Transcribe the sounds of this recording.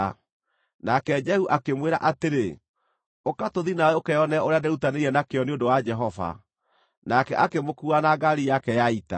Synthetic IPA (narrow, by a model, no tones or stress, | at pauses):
nakɛd͡ʒɛhuʔakemweɾaʔateɾe | okatoðinawɛokɛjɔnɛoɾeadɛɾutaneɾiɛnakeɔneondowad͡ʒɛɦɔva̰ | nakɛ̰ʔakemokuanaɡaɾijakɛjaita̰